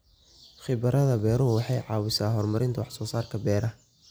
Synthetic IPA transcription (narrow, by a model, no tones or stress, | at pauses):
χɪbɐɾʔɐðɐbɛːɾʊwɑħɑjʕɑːwɪsaːɦɔrmɐɾɪnt̪ʰɐwɑħsɔːsaːrkʰɐbɛːɾɐ